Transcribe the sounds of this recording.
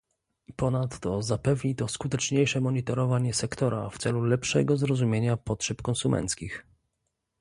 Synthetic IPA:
pɔnat̪ːɔzapɛvɲit̪ɔskut̪ɛt͡ʂɲejʂɛmɔɲit̪ɔɾɔvaɲɛsɛkt̪ɔɾaft̪sɛlulɛpʂɛ̰ɡɔzɾɔzumʲjeɲapɔtʂɛpkɔ̃nsumɛ̰nt̪skʲix

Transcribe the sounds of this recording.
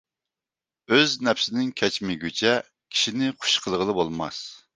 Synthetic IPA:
øznɛpsɪnɪŋkʲʰɛt͡ʃmɪɡʲøt͡ʃʰɛ | kʲʰi̥ʃinɪqʰʊ̥ʃqʰəlˠəʁəlˠəbolˠmɑ̰s

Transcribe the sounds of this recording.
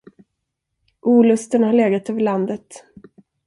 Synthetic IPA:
ʔuːlɵst̪ənhaɭeːɡat̪øːvəɭand̪ət̪

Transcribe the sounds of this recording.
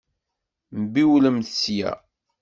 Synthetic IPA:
mbiwləmθsjæ̰

